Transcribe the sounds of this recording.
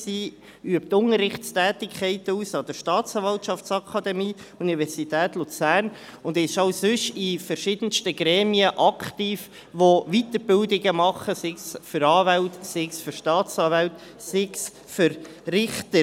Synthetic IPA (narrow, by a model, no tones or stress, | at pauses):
siː | yəp̚tʊŋəɾːɪχtstæːtɪkʰχɛɪtəuːsɑd̥̪əɾʃtɑːtt͡sɑːnvɑltʃɑft͡sɑkʰɑd̪ɛmiːunivɛɾsit̪æːtlut͡sæːɾnʊnd̪ɛɪʃɑʊsʏʃifəɾʃɪd̥̪ənstəɡ̥ɾɛːmiəʔɑkχtiːf | ʋoʋit̪əɾbɪldɪɡəmɑχəsɪksfʏɾɑːvæltsɪksføɾʃtɑːt͡sɑːvælt | sɪks | fʏɾ | ɾɪχtə